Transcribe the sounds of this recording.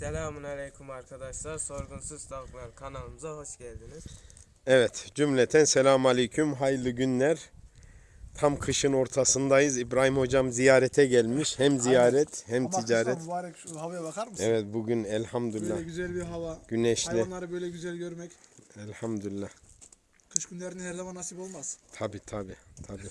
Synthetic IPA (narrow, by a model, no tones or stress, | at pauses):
sɛlʲaːmunalʲejkʰumaɾkʰad̪aʃlˠaɾso̞ɾɡunsuzst̪ʰaklˠaɾkʰanalˠɯmɯzaho̞ʃɟælʲd̪iniz̥ | ɛvɛt̪d͡ʒymlʲɛt̪ʰænsɛlʲaːmalʲejcʰymɦajlˠɯɟynlʲæɾ | t̪ʰamkʰɯʃɯno̞ɾt̪ʰasɯnd̪ajɯzibɾaːhimho̞d͡ʒamzijaːɾɛt̪ʰɛɟælʲmiʃhæmzijaːɾɛt̪ʰhɛmt̪ʰid͡ʒaːɾɛtaɾakhavajabakʰaɾmʃɛvɛt̪̚buɟynɛlʲhamd̪ylːaɟyzælʲbiɾɦavaɟ̥ynɛʃllʲilˠaɾɯbøjlʲɛɟyzælʲɟøɾmɛcɛlʲhamd̪ylʲːa | kʰɯʃɟynlʲeɾinihæɾzamanːasipolˠmaz̥t̪ʰabiːt̪ʰabiːt̪ʰabiː